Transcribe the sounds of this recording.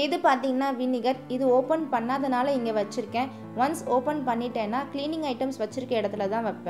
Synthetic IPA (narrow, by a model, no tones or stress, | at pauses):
ɪðɯpaːɾt̪iːŋɡɐnːaːʋinːɪɣɐɾɪðɯoːpɐnpɐnːaːðɐnaːlɐɪŋɡeʋɐt͡ʃːɪɾɯkːẽː | ʋɐnsoːpɐnpɐɳːɪʈːẽːnːaːkliːnɪ̃ŋɡɐɪʈɐmsʋɐt͡ʃːɪɾɯkːɐɛɽɐt̪ːɯlɐt̪ãːʋɐpːɛ̃